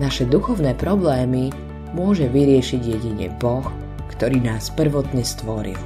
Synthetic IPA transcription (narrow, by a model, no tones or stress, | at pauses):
naʃɛd̪uxɔʊnɛːpɾɔblɛːmi | mʊɔʒɛʋiɾɪɛʃiɟjɛɟiɲɛ̰bɔx | kt̪ɔɾiːnaːspr̩ʋɔt̪ɲɛst̪ʋɔɾḭl